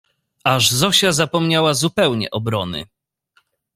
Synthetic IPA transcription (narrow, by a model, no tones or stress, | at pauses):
aʐzɔɕazapɔmɲawazupɛwɲɛ̰ʔɔbɾɔnɘ̰